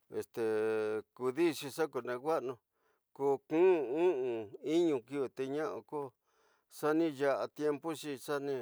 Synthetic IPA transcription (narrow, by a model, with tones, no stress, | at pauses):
ḛ˨st̪e˨ku˧ði˦ʂi˧ʂa˦ku˧nẽ˧kʷa˦ʔnũ˧ | ko˧kũ˦˧ũ˦ʔũ˧i˦ɲũ˧ki˦˧t̪e˧ɲã˦ʔõ̰˧ko˦ | ʂa˦nĩ˦ja˧ʔa˧t̪je˧mpu˦ʂi˧ʂa˦nĩ˧